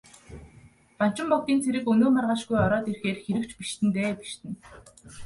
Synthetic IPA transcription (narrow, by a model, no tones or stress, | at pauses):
pan̥t͡ɕɪ̆mpɔkt̪iːnt͡sʰeɾɘ̆kɵnoːmarʁaːʃɡujɔɾɔːt̪erxeːrxeɾɘ̆kt͡ɕpiʃt̪ɘ̆nt̪eːpi̥ʃt̪ɘ̆n